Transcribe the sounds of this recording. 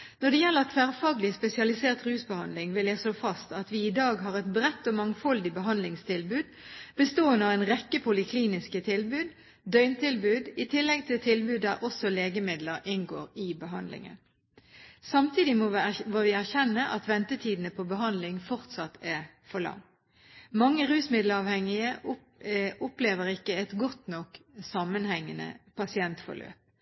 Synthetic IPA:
nɔd̪ɛjɛlːəʁɑt̪ʰfæːʁfɑːɡlɪspɛsɪɑlɪseːʁt̪ʁʉːsbəhɑnd̪lɪŋʋɪljæsoːfɑst̪ɑt̪ʋɪɪd̪ɑːɡɦɑːʁɛt̪bʁɛt̪ːɔmɑŋfɔld̪ɪbəɦɑnd̪lɪŋst̪ʰɪlbʉːd̪ | b̥əst̪oːənəɑɛnʁɛkːəpʰʊlɪkʰliːnɪskət̪ʰɪlbʉːd̪ | d̪œʏnt̪ʰɪlbʉːd̪ɪt̪ʰɪlːɛɡ̚t̪ʰɪlt̪ʰɪlbʉːd̪d̪æʁʔɔsɔleːɡəmɪd̪ləɾɪnɡo̰ːʁɪbəɦɑnd̪lɪ̰ŋə̰n | sɑmt̪ʰiːd̪ɪmoʋɔʋɪæʁçɛnːəʔɑt̪ʋɛnt̪ət̪ʰiːd̪n̩əpʰɔbəɦɑnd̪lɪŋfɔʁt̪sɑt̪ːʰæʁ | fɔʁlɑ̰ŋ | mɑŋːəʁʉːsmɪd̪lɑʋhɛŋɪə | ʊpleːʋəʁɪkːəɛt̪ɡɔt̪nɔksɑmənhɛŋːənə̰pʰɑsɪɛnt̪fɔ̰lø̰ːp̚

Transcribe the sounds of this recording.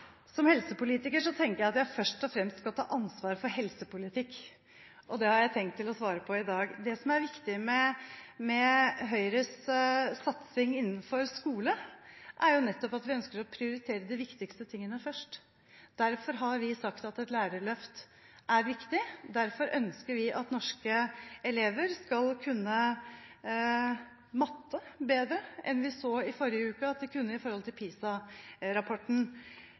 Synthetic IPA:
sɔmhɛlsəpʊliːt̪ɪkəʂɔt̪ʰɛŋkəɾjæɑt̪jæɪfœʂʈɔfɾɛmst̪skɑlt̪ʰɑ̰ːʔɑnsʋɑːɾfɔɾɦɛlsəpʊlɪt̪ʰɪkː | ʔɔd̪ɛhɑɾjæɪt̪ʰɛŋkt̪ʰːɪlɔsʋɑːɾəpʰɔɪd̪ɑːɡd̪ɛsɔmæɾʋɪkt̪ɪmɛmɛɦœʏɾəssɑt̪sɪŋɪnːənfɔɾskuːləʔæɾjʊnɛt̪ːɔpɑt̪ʋɪœnskəɾɔpʰɾɪʊɾɪt̪ʰeːɾəd̪ɪʋɪkt̪ɪkst̪ət̪ʰɪŋːənəfœʂʈ | d̪̥æɾfɔɾɦɑɾʋɪsɑkt̪ɑt̪ɛt̪læːɾəɭœft̪ | æɾʋɪkt̪ɪd̪æɾfɔɾʔœnskəɾʋɪʔɑt̪nɔʂkəɛleːʋəɾskɑlkʰʉnːə | mɑt̪ʰːəbeːd̪ɾəʔɛ̰nʋɪsoːɪfɔɾɪəʉːkəɑt̪̚d̪ɛkʰʉnːəɪfɔɾhɔlt̪ʰɪlpʰiːsɑɾɑpʰɔʈɳ̩

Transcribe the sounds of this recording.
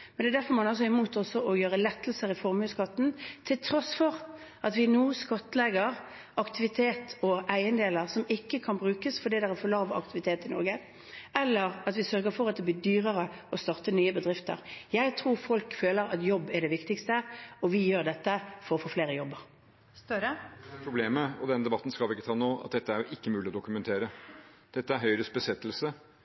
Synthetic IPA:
mɛnd̪ɛːdæɾfɔɾmɑnɑlsɔɪmuːt̪ɔsɔʔɔjøːʁəlɛt̪ːlsəʁɪfɔɾmʉskɑt̪ːn̩t̪ʰɪlt̪ʰɾɔsfɔʁ | ɑt̪ʋɪnuːskɑt̪ːlɛɡəɾ | ɑkt̪ɪʋɪt̪ʰeːt̪ɔʔæɪənd̪eːləʁsɔmɪkːəkʰɑnbʁʉːkəsfɔɾd̪iːd̪ɛæfɔlɑːʋɑ̰k̚t̪ɪʋɪt̪ʰeːt̪ɪnɔ̰ɾɡə | ɛlːəʁɑt̪ʋɪsœɾɡəɾfɔɾɑt̪̚d̪ɛbliːd̪yːʁəʁəɔst̪ɑʁt̪ənyːəbəd̪ʁɪft̪ə̰ʁjæɪt̪ʰʁuːʁfɔlkføːləɾɑt̪jɔbːɛɖɛʋɪkt̪ɪkst̪əɔʋɪjøːʁd̪ɛt̪ːəfɔɾɔfoːfleːɾəjɔbːəʁ | pʰɾʊbleːməɔd̪ɛnd̪ɛbɑt̪ːn̩skɑlʋɪɪkːət̪ʰɑːnoːɑ̰t̪̚d̪ɛt̪ːəæɾjʊʔɪkːəmʉːlɪɔd̪ʊkʉmɛnt̪ʰeːɾə | d̪̥ɛt̪ːəæɾɦœʏɾəsbəsɛt̪ːəl̩sə

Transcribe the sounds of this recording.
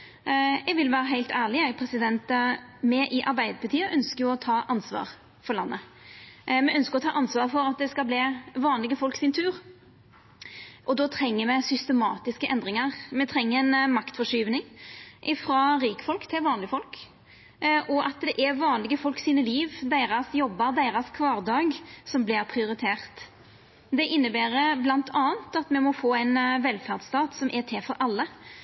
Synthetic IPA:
ɛɡʋɪlʋæːɾəɦæɪt̪æːlɪjæɡpʰɾɛsɪd̪ɛnt̪mɛʔɪʔɑɾbæɪd̪əpʰɑt̪ʰiːəʔœnskəjʊɔt̪ʰɑːʔɑnsʋɑ̰ːɾ | fɔɾlɑnːə | mɛʔœnskəɾɔt̪ʰɑːʔɑnsʋɑːʁfɔɾɑt̪̚d̪ɛskɑlbliːʋɑːnlɪɡəfɔlksɪnt̪ʰʉːɾ | ʔɔd̪ɔːt̪ʰɾɛŋːəmɛsʏst̪əmɑːt̪ɪskəʔɛnd̪ʁɪŋəʁmɛt̪ʰɾɛŋːəɛnmɑkt̪fɔʂyːʋnɪŋʔɪfɾɑːɾiːkəfɔlkt̪ʰɪlʋɑːnlɪəfɔlk | ʔɔʔɑt̪d̪ɛʔɛɾʋɑːnlɪɡəfɔlksiːnəliːʋd̪æɪʁɑsjɔbːɑɾd̪æɪʁɑskʰʋɑːʁd̪ɑːɡsɔmblɪɾpʰʁɪʊɾɪt̪ʰeːʁt̪ | d̪ɛʔɪnːəbæːɾəblɑnt̪ʰɑːnt̪ɑt̪mɛmɔfoːæɪnʋɛlfæʁd̪st̪ɑːt̪sɔmʔɛt̪ʰɛːfɔɾʔɑlːə

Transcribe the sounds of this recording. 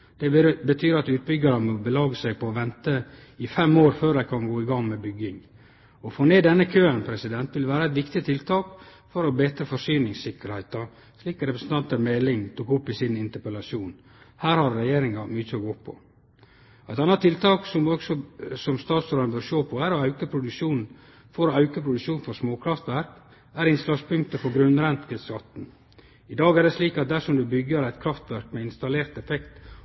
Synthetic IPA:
d̪̥ɛbət̪ʰyːɾɑt̪ʉːt̪̚bʏɡɑɾəmɪbəlɑːɡəsæɪpʰɔːʋɛnt̪ə | ɪfɛmːoːɾføːɾæɪkʰɑnɡoːɪɡɑŋmɛbʏɡɪŋ | ɔfoːneːd̪ɛnːəkʰøːənpʰɾɛsɪd̪ɛnt̪ʋɪlʋæːɾəæɪt̪ʋɪkt̪ɪt̪ʰɪlt̪ʰɑːk | fɔɾɔbeːt̪ɾəfɔʂyːnɪŋsɪkːəɾhæɪt̪ɑ | ʂliːkɾɛpɾəsnt̪ɑnt̪əɾmɛlɪŋt̪ʰukʊpːɪsɪnɪnt̪əpɛlɑsjuːn | hæːɾhɑɾːɛjeːɾɪŋɑmyːt̪əɔɡoːpʰɔ̰ | æɪt̪ɑnːɑt̪ʰːɪlt̪ʰɑːksɔmɔɡsɔsɔmst̪ɑːt̪sɔɾnəbøːɾʂoːpʰɔæɾɔɑʉkəpʰɾʊd̪ʉʂuːnn̩ | fɔɾɔɑʉkəpʰɾʊd̪ʉʂuːnfɔɾsmoːkʰɾɑft̪ʋæɾk | æɾɪnslɑːɡspʰʉŋk̚t̪əfɔɡɾʉnɾɛnt̪kəskɑt̪n̩ | ɪd̪ɑːɡæɖ̪ɛsliːkɑt̪̚d̪æʂɔmd̪ʉbʏɡəɾæɪt̪kʰɾɑft̪ʋæɾkmɛɪnst̪ɑleːɾt̪ɛfɛkt̪

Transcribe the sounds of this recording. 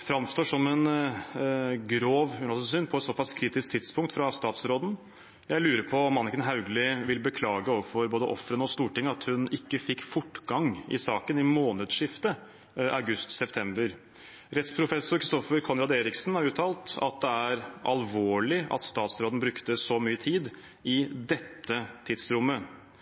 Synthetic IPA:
fɾɑmst̪oːʂɔmɛn | ɡɾoːʋhʉnɑlsəsyːnpʰɔɛt̪sɔpɑskʰɾiːt̪ɪskt̪ʰɪt̪spʰʊŋkt̪fɾɑst̪ɑːt̪sɾoːd̪n̩ | jæɪlʉːɾəpʰɔmːɑnɪkənɦɑʉɡlɪʋɪlbəkʰlɑːɡəoːʋəfɔɾboːd̪əʔɔfɾənəɔst̪uːʈɪŋːəɑt̪hʉnɪkːəfɪkːfʊʈɡɑŋɪ̰sɑːkənɪmoːnəd̪ʂɪft̪ə | ɑʉɡʉst̪sɛpt̪ʰɛmbəɾ | ɾɛt̪spʰɾʊfɛsʊɾkʰɾɪst̪ɔfəɾkʰɑnɾɑd̪eːɾɪksn̩hɑɾʉːt̪ʰɑːlt̪ɑ̰t̪̚d̪ɛæɾʔɑlʋoːɭɪɑ̰t̪st̪ɑːt̪sɾoːd̪n̩bɾʉkt̪əsɔmyːət̪ʰiːd̪ | ɪd̪ɛt̪ːət̪ʰiːd̪sɾʊmːə

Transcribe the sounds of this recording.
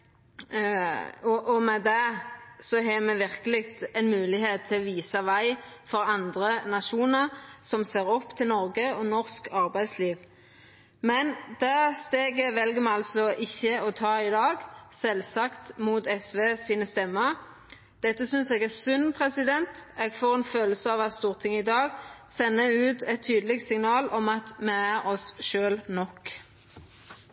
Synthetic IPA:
ɔʔɔmɛd̪ɛsɔɦɛmɛʋɪʁkəlɪkt̪ɛnmʉːlɪheːt̪ʰːɪlɔʋiːsɑʋæɪ | fɔɾɑnd̪ɾənɑʃuːnəʁsɔmseːɾɔpːt̪ʰɪlnɔɾɡəɔnɔʁskʰɑʁbæɪsliːʋ | mɛnd̪æst̪eːɡəʋɛlɡəmɛɑlsɔʔɪçːəɔt̪ʰɑːɪd̪ɑːɡsɛlsɑkt̪muːt̪ɛsʋeːsiːnəst̪ɛmːəʁ | d̪̥ɛt̪ːəsʏnseːɡæːʁsʉnpʰʁɛsɪd̪ɛnt̪eːɡfoːʁɛnføːləsəɑːʋɑt̪st̪uːʁt̪ʰɪŋːəɪd̪ɑːɡsɛnːəʉːt̪ɛt̪ʰːyːd̪əlɪɡt̪sɪŋnɑːlɔmɑt̪mɛæɾɔsʃøːlnɔk

